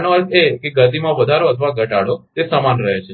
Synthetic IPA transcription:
noəltekeɡəd̪imãʋəd̪ʱaɾoət̪ʰʋãɡʱəʈaɽot̪esəmanɾəɦet͡ʃʰe

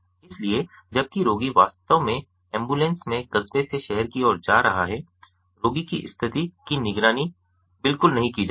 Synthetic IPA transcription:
ɪslie | d͡ʒɐb̚kiɾoːɡiʋaːst̪əmẽ | ɛ̃ːmbuːlẽnsmẽɡɐzbeseʃɛɦəɾkiɔːɾd͡ʒaːɾɐɦaɦɛ | ɾoːɡikiʔɪ̰st̪ʰɪt̪ikinɪɡɾaːni | bɪlkʊlnɐɦĩkid͡ʒa

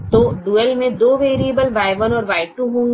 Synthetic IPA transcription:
t̪oɖuːɛlmẽd̪oːʋeːɾiəbəlʋaːɪʋənɔːɾʋaːɪʈuɦõː

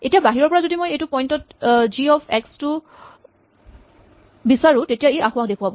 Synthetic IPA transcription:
etijabaɦiɹɔɹpɔɹazodimojejtʊpɔjntɔtziɔpʰɛkstʊ | bisaɹʊ̃tetijaejʔaxʊwaxdekʰuwabɔ

